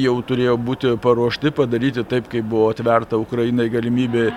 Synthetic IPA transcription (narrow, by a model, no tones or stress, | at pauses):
jɛʊt̪ʊɾʲeːjoːbuːt̪ʲɪpɐɾuɔʃʲt̪ʲɪpɐd̪ɐɾʲiːt̪ʲɪt̪ɐɪpkɐɪpbʊʋoːɐt̪ʲʋʲɛrt̪ɐʊkɾɐjɪnɐɪɡɐlʲɪmʲiːbʲeː